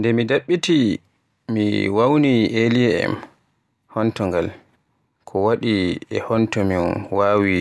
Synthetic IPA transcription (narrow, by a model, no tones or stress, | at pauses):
ndɛmidaɓːiti | mḭwawnielijɛɛ̰m | hɔntɔŋɡal | kʰɔwaɗiɛhɔntɔmiwaːwi